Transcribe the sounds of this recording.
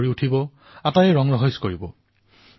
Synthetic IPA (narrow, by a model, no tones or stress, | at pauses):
ɹiutʰibɔ | atajɛɹɔŋɹɔɦɔskoɹibɔ